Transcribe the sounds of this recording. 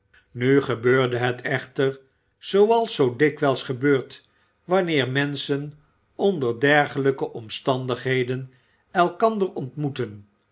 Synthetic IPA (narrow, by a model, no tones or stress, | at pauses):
nyχəbøːɹdəɦɛtʰɛχtəɹ | z̥owɑlˠsowdɪkʋɛlˠsχəbøːɹt | ʋɑnɪːɹmɛnsən | ɔndəɹdɛɹχələkəʔɔmstɑndəχɦejdən | ɛlˠkɑndərɔntmutən